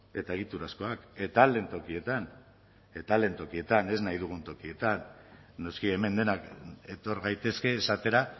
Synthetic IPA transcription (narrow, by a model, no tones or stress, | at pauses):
e̞t̪ae̞ɣit̪uɾasko̞ake̞t̪ald̪e̞nt̪okie̞t̪an | e̞t̪ald̪e̞nt̪o̞kie̞t̪ane̞znajðuɣ̞unt̪o̞kie̞t̪anːo̞skie̞me̞nd̪e̞nake̞t̪o̞ɾɣajt̪e̞ske̞ːsat̪e̞ɾa